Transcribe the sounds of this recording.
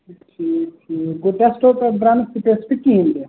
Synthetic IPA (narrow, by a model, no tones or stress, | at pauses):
ʈʰikʈʰikɡoʈesʈopebɾansiʈesʈkiɦĩnd̪e